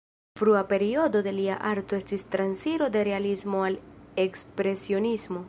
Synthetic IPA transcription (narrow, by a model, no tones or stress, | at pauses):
fɾuape̞ɾio̞d̪o̞d̪e̞lia̰ʔaɾt̪oestist̪ɾansiɾo̞d̪e̞ɾe̞alismo̞alekspɾe̞sio̞nizmo̞